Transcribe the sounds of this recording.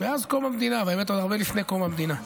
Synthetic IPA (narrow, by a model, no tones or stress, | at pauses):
veazkomamd̪inavaemet̪od̪aʁbelifne̞komamd̪ina